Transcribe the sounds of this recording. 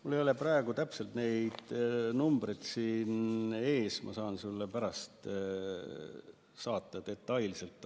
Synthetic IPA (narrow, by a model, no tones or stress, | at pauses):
mulːejo̞le̞prɑeɡ̥ut̪æpse̞lt̪ne̞jd̪̥numbret̪siːne̞ːsmʔɑ̰sɑːnsulːepæɾɑst̪ | sɑːt̪ˑːɑt̪e̞t̪ːˑɑjlise̞lt̪ːˑ